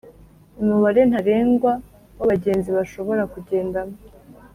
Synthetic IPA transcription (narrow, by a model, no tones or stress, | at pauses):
umuβaɾe̞n̥haɾe̞ːŋɡwa | waβaɟe̞ːnziβaʃo̞βo̞ɾakuɟe̞ːndamo